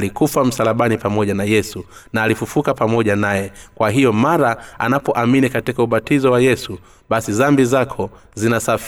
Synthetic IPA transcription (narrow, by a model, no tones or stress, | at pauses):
likufam̩salaɓanipamɔʄanajɛsu | naːlifufukapamɔʄanajɛkwaɦijɔmaɾaanapɔʔaminikatikauɓatizɔwajɛsu | ɓasizambizakʰɔ | zinasaf